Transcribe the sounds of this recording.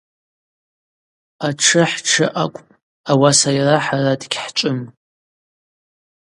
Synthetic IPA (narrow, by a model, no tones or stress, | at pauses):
aʈ͡ʂʰɨħʈ͡ʂʰɨʔakʷʼ | awasajraħaradɡʲħt͡ʃʷʼʊm